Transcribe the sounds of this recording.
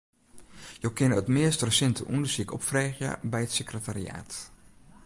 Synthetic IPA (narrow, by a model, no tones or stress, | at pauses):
jokɪnəətmɪəstrəsɛntəʔundəsikɔpfreːχjə̰bɛjətsekrətarḭa̰ːt